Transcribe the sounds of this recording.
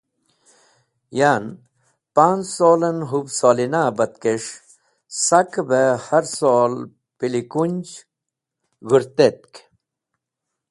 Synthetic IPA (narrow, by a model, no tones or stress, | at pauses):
jan | paːnsoːlɐnɦubsoːlinabɐt̪keʂ | sɐkbehɐɾsol | pilikunʲd͡ʑ | ɣuɾt̪et̪̚k